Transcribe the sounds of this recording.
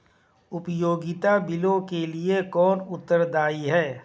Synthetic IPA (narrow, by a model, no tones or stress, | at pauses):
ʊpjoːɡɪt̪abɪlõkeliekɔːnʊt̪ːəɾd̪aːiɦɛː